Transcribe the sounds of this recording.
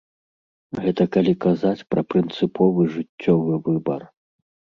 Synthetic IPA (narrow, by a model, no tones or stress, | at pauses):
ɣɛt̪ɐkalʲikazat͡sʲpɾɐpɾɨnt̪sɨpʰɔvɨʐɨt͡sʲːɔvɨvɨbɐ̰r